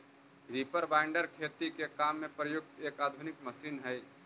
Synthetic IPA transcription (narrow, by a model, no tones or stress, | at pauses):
ɾiːpəɾʋaːɪɳɖəɾkʰeːt̪ikekaːmːẽpɾəjʊɡ̚t̪eːkaːd̪ʱʊnɪkməʃiːnɦɛj